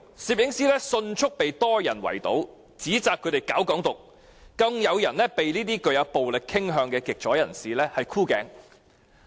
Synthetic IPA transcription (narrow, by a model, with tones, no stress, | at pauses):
siː˨˩p̚jɪ˨˥ŋsiː˥lɛː˥sɵ˧nt͡ʃʰʊ˥k̚pe˨jt̪ɔː˥jɐ˨˩nwɐ̰˨˩jt̪o̰˨˥w | t͡siː˨˥t͡saː˨kʰːɵ˧˥t̪e˨jkaː˨˥wkɔː˨˥ŋt̪ʊ˨k̚ː | ɐ˧ŋjɐ˨˧wjɐ˨˩nlɛː˥pe˨jliː˥t̪iː˥kɵ˧ɥjɐ˨˧wpo˨wlɪ˨k̚kʰːɪ˥ŋɦœː˧ŋkɛː˧kɪ˨k̚t͡ʃʰɔː˨˥jɐ˨˩nsiː˨lɛː˥hɐ˨jkʰuː˥kɛː˨˧ŋ